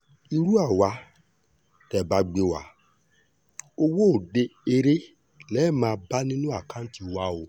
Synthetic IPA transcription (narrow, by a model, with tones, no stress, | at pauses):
i˧ɾu˦a˦˨wa˨˧ | tɛ˨ba˧˦ɡ͡be˧wa̰˨˦ | o˧wo˦o˦˨de˧e˧ɾe˦ | lɛ˨˦˨mãː˧˦ba˦nĩ˦nũ˦a˦˨kã˨˦n̩˦ti˧wa˦o˨